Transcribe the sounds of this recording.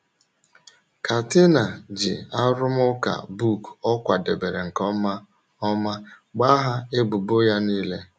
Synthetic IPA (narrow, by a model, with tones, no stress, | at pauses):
ka˨tɪ˦na˨d͡ʒɪ̰˨a˦ɾʊ˦m˦ʊ˦ka̰˨bu˦˨kɔ˦kʷa˨de˨be˨ɾe˨ŋ̩˨kɔ˦ma˦ | ɔ˦ma˦ | ɡ͡ba˦ɦa˦ɪ˦bʊ˨bo˦ja˦niː˦le˦